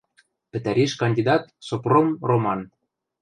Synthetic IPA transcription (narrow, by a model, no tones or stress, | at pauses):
pɘ̆t̪æɾeʃkɑnʲd̪ʲid̪ɑt̪sopromromɑn